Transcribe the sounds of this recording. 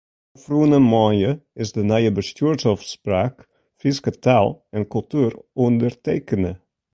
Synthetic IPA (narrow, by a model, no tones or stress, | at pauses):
fruənəmɔjəɪsdənɛjəbəstyːɹtɔfspraːk | fiskətalˠɛnkɵlˠtyːərɔndərteːkənə